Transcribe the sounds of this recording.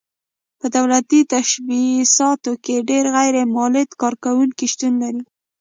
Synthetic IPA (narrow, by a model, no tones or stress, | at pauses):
pəd̪awlat̪it̪aʃbisɑt̪okeɖeɾɣajɾemɑlɪd̪kɑɾkawuŋkiʃt̪unlaɾi